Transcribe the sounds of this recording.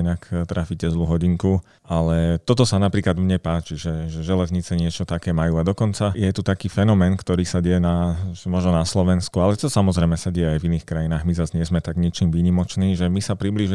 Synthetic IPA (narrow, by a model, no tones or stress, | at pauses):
inakt̪ɾaficɛzluɦɔɟiŋku | alɛt̪ɔt̪ɔsanapɾiːklad̪mɲɛpaːt͡ʃiʒɛʒɛʒɛlɛzɲit͡sɛɲɪɛt͡ʃɔt̪akɛːmajuːad̪ɔkɔnt͡sajɛt̪ut̪akiːfɛnɔmɛːnkt̪ɔɾiːsaɟɛjɛnamɔʒnɔnaslɔʋɛnskualɛt͡ʃɔsamɔzɾɛjmɛsaɟɛjɛajviniːxkɾajinaːɣmizazɲɪɛzmɛt̪aɡɲit͡ʃiːmʋiːɲimɔt͡ʃniːʒɛmisapɾibliːʒ